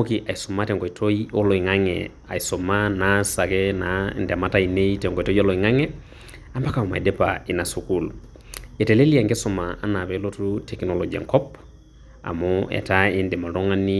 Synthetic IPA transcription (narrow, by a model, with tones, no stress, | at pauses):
o˦ki˨ʔa˨iso˨ma˦tɛ˨ŋɡo˨itʰo˦iɔ˦lo˨i˨ŋa˦ŋɛ̰ | a̰˨i˨soma˦nasa˨kɛna˨ndɛ˨ma˦ta˦ine˦itɛ˨ŋɡɔ˨tɔ˦jo˦lɔ˨i˨ŋa˦ŋɛ˦ | a˦mba˦ka˨ɔ˨ma̰˨ḭ˨dɛ˦pa̰ɪ˨na˨su˨kul | ɛ˨tɛ˨le˦li˦a˨ŋɡe˦sɔ˨maa˦na˨βɛ˨lotu˦tɛ˨knɔlɔɡi˨a̰˨ŋkɔ˦p | a̰˨mʊɛ̰˨taɪ˦ndɛ˨ma˨tɔ˦ŋa˦ni˦